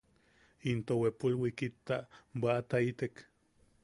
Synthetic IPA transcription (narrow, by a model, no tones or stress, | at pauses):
int̪owepulwikit̪ːabat̪ait̪ek